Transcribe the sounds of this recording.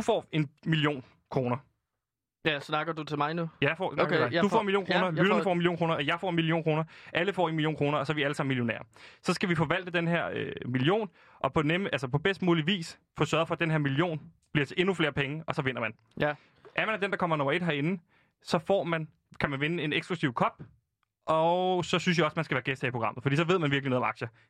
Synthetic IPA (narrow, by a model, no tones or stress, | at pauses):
dufɒ̰ːe̝nmilio̝̰ːn | kʰʁo̝ːnɐ | snɑɡ̥ɐd̥ut͡sʰemɑɪnujæfɒ̰sɑɡedufɒ̰ːenmiljo̝ːnkkʁoːnɐlyd̥ɐnəfɒ̰ːenmiljo̝ːnkʁoːnɐɒjɑ̈ɪfɒ̰ːenmilio̝̰ːnkʁo̝ːnɐʔæləfɒ̰ːe̝nmilio̝̰ːnkʁo̝ːnɐɒ̽sɒ̽ʋiæləsɑ̈miljonɛ̰ːɐsɒ̽sɡ̥æʋifɒ̽ʋæl̰d̥əd̥enɦeɐ̰ømilio̝̰ːn | ʔɒ̽pʰɒ̽nælsəpʰɒ̽b̥esd̥muːliʋḭːs | fɔːsɶːɐðˠfɒd̥enɦeɐmilio̝̰ːn | b̥liɐt͡sʰe̝ʔe̝nufle̝ːɐpʰeŋəʔɒ̽sɒ̽ʋe̝n̰ɐmæn | ʔæɐmænd̥end̥ɑ̈kʰɒ̽m̰ɐnɒ̽mɐe̝d̥ɦɑ̈e̝nn̩ | sɒ̽fɒ̰ːmæn | kʰæmænʋenəe̝neɡ̥sɡ̥lusiʊkʰɒ̽b̥ | ʔɒsɒ̽syns̬jäɒ̽smænsɡ̥æʋæːɐɡ̥esd̥ʰɛ̰ipʰʁoɡ̥ʁɑ̈m̰ð̩ˠfɒ̽d̥ḭːsɒ̽ʋe̝ð̞ˠmænʋiɐɡ̥lino̽ðˠɒ̽mɑ̈ɡ̥ɕə